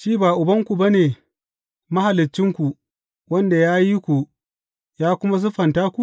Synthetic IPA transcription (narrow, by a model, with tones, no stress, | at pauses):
ʃiː˦baː˨ʔʊ˨bɐ˦ŋkʷu˨ba˦neː˨ | mɐ˦ha˨lɪ˨t͡ʃːɪ˦ŋkʷu˨ | wɐ˦nda˨jaː˦ji˦kʷu˨ | jaː˦kʷʊ˦ma˦s̬ʊ˦ɸɐ˨ntaː˦kʷu˨